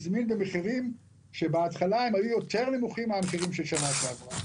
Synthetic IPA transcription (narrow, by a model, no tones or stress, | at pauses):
zminbemeχiʁim | ʃebeatχalaemhajujo̞t̪e̞ʁlemuχimːeameχiʁimʃelʃanaʃeavʁa